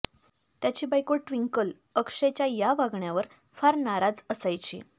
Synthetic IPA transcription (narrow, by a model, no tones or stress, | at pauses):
t̪jat͡ɕiːbajkoʈʋiŋkəl | əkʂet͡ɕjajaʋaɡɳjaʋəɾ | faɾnaɾad͡zəsajt͡ɕḭː